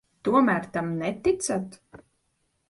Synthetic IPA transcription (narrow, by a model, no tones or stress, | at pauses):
t̪uɔmæːɾt̪amnɛt̪it̪sat̪